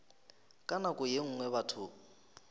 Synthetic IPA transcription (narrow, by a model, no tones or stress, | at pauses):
kʼanakʼʊjeŋ̩ːŋwɛβatʰʊ